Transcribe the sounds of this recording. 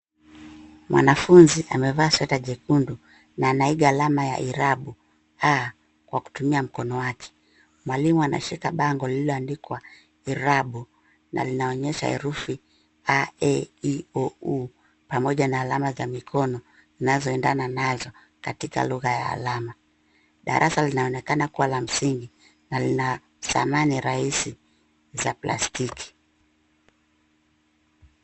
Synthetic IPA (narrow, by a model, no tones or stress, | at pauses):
mwʔa̰nafunziʔamɛvaːsɛtaʄɛkundu | naːnaiɡaːlamaja̰ʔiɾaɓu | a | kwaku̥tumiam̩kɔnɔwakʰɛ̥ | mwalimuana̰ʃikaɓaŋɡɔlilɔandikwa | iɾaɓu | na̰linaɔɲɛʃa̰ɛ̰ɾufi | aɛiɔu | pamɔʄanaːlamazamikʰɔnɔ | zinazɔɛndananazɔ | katika̰luɣaja̰ːlama | ɗa̰ɾʔasalinaɔnɛkanakuwalam̩siŋɡi | nalina | sa̰maniɾaisi | zapla̰stikʰi̥